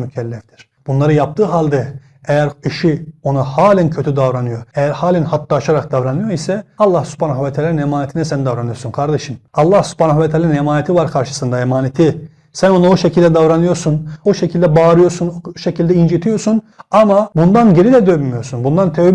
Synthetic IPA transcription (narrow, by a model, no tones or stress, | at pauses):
mycʰɛlʲːɛft̪ʰiɾ̥ | b̥unlˠaɾɯjap̚t̪ʰɯːɦalʲd̪ɛ | ejæɾiʃionahaːlʲæncʰøt̪ʰyd̪avɾanɯjo̞ɾejæɾhaːlʲænhat̪ʰːɯːʃaɾak̚d̪avɾanɯjo̞ɾisɛɑlˠːahsy̥pʰaːnaxvɛt̪ʰaːlaɾinemaːnet̪ʰinɛsɛnd̪avɾanɯjo̞ɾsunkʰaɾd̪eʃɯmɑlˠːahsy̥pʰaːnaxvɛt̪ʰaːlaɾinemaːnet̪ʰivaɾkʰaɾʃɯ̥sɯnd̪aemaːnet̪ʰi | sæno̞noʃecʰilʲd̪ɛd̪avɾanɯjo̞ɾsunoʃecʰilʲd̪ɛbaːɾɯjo̞ɾsunʃecʰilʲd̪ɛind͡ʒit̪ʰijo̞ɾsunamabund̪anɟe̞ɾid̪ɛd̪øvmijo̞ɾsunbund̪ant̪ʰe